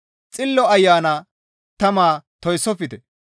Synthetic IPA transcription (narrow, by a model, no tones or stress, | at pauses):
t͡sʼɪlːɔɐjːaːna | t̪ɐmaːt̪ɔjsːɔfɪt̪ɛ